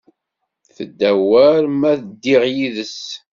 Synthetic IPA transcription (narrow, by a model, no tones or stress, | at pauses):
θəd̪ːæwæɾmæθəd̪ːiʁjiðəs